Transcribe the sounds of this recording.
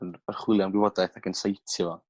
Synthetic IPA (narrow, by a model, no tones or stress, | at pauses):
ənərχwɪlˠjanɡwɪvɔdajθakənsajtʰivɔ